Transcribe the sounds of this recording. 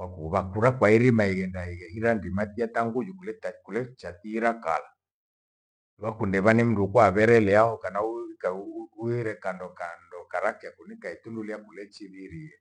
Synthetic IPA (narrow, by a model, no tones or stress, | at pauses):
wakuβakuɾakwaiɾimaiɣɛndaiɣɛhiɾandimatiataŋɡud͡ʒukulɛtakulɛt͡ʃat̪iːɾaka̰la | βakundɛβanim̩dukwaβɛɾɛlɛahɔkanaukauiɾɛkandɔkandɔkaɾakɛakunikaitunduliakulɛt͡ʃiβiɾiɛ